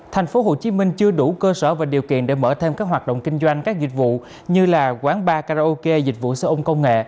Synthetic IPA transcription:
t̪ʰa˨˩jŋ̟fo˨˦ɦo˧˨˩t͡ɕi˨˦mï˧ŋ̟t͡ɕɨ˧əɗu˧˩kəː˧səː˧˩vaː˨˩ɗi˨˩əwkḭ˧˨ənɗe˧˩məː˧˩t̪ʰe˧mkaː˦˥k̚ɦwaː˨˩t̚ɗə̰˧˨wŋ͡mki˧ŋ̟zwa˧jŋ̟kaː˦˥k̚zï˨˩k̟̚vṵ˧˨ | ɲɨ˧laː˨˩kwaː˨˦nɓaː˧kaː˧za˧ʔo˧ke˧zi˨˩k̟̚vṵ˧˨səː˧ʔə˧ŋ͡mkə˧wŋ͡mŋḛ˧˨

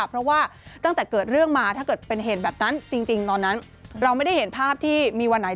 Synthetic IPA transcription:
pʰɾɔ˦˥waː˥˩t̪a˥˩ŋt̪ɛː˨˩kɤː˨˩t̪̚ɾɯ˥˩əŋmaː˧aː˥˩kɤː˨˩t̪̚pe˧nɦeː˨˩t̪̚bɛː˨˩p̚na˦˥nt͡ɕi˧ŋt͡ɕi˧ŋt̪ɔː˧nːa˦˥n | ɾa˧wma˥˩jda˥˩he˩˦npʰaː˥˩p̚t̪ʰiː˥˩miː˧wa˧nːa˨˩˦

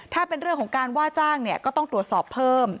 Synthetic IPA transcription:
t̪ʰaː˥˩pe˧nɾɯ˥˩əŋkʰŋkaː˧nwaː˥˩t͡ɕaː˥˩ŋni˥˩kɔː˥˩t̪ɔ˥˩ŋt̪ɾu˨˩ət̪̚sɔː˨˩pʰːɤː˥˩m

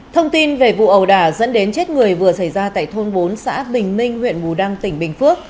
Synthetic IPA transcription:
t̪ʰə˧wŋ͡mt̪i˧nve˨˩vṵ˧˨ʔə˨˩wɗaː˧˩zə̰˧˥nɗe˨˦nt͡ɕe˦˥t̚ŋɨ˨˩əjvɨ˨˩əsa˧˩jzaː˧t̪a̰ː˧˨jt̪ʰo˧nɓo˨˦nsa̰ː˧˥ɓï˨˩ŋ̟mï˧ŋ̟hwḭ˧˨ənmu˨˩ɗa˧ŋt̪ï˧˩ŋ̟ɓï˨˩ŋ̟fɨ˦˥ək̚

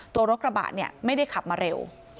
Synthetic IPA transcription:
t̪u˧ɐɾo˦˥k̪̚ɾa˧ba̰ː˨˩t̪̚ni˥˩əma˥˩jda˥˩jkʰa˨˩p̚maː˧ɾe˧w

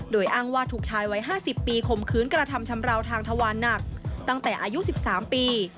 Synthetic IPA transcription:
doː˨˩jʔaː˧˩ŋwaː˧t̪ʰuː˨˩k̚t͡ɕʰaː˧jwa˦˥jɦaː˥˩si˨˩pːiː˧kʰo˨˩mkʰɯː˦˥nkɾa˧t̪ʰa˧mt͡ɕʰa˧mɾa˧wt̪ʰaː˧ŋt̪ʰa˧waː˧nːa˨˩k̚t̪a˥˩ŋt̪ɛː˨˩ʔaː˧ju˦˥ʔsi˨˩p̚saː˩˦mpiː˧

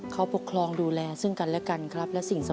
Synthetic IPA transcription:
kʰa˦˥˩po˨˩kʰlɔː˧ŋduː˧lɛː˧sɯ˥˩ŋka˧nlɛ˦˥˩ka˧nkʰɾa˦˥p̚lɛ˦˥wsi˨˩ŋsa˧

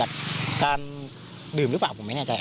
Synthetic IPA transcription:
a˨˩t̚kaː˧n | ɗɨ˨˩mlɨ˦˥kɓa̰ː˧˩kṵ˧˩˨ma˨˦jnaː˧˩t͡ɕaː˨˩ʔ

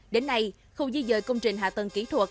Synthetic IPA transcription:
ɗe˨˦nːa˧j | xə˧wŋ͡mzi˧jzə̰ː˧˨jkə˧wŋ͡mt͡ɕï˨˩ŋ̟ɦa̰ː˧˨t̪ə˨˩nki˨˦t̪ʰwu˨˩ət̚

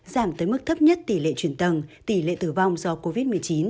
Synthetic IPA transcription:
zaː˧˩mt̪əː˨˦jmɨ˦˥k̚t̪ʰə˦˥p̚ɲə˦˥t̚t̪i˧˩lḛ˧˨t͡ɕwi˧˩ənt̪ə˨˩nt̪i˧˩lḛ˧˨t̪ɨ˧˩va˧wŋ͡mzɔ˧ko˧vi˦˥t̚mɨ˨˩əjt͡ɕi˨˦n

